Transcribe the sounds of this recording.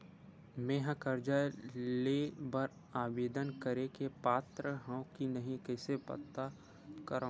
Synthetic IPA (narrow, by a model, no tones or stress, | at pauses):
mẽːɦãkəɾd͡ʒalebəɾ | aːʋeːd̪ənkəɾekepaːt̪ɾəɦãwkinɐɦĩkɛːsepɐ̰t̪ːa | kəɾã